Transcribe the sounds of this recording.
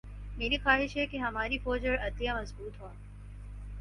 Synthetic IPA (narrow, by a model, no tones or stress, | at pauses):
meːɾixaːɦɪʃɦɛkeɦɐmaːɾifoːd͡ʒəɾɐd̪lijamɐzbuːt̪ɦõ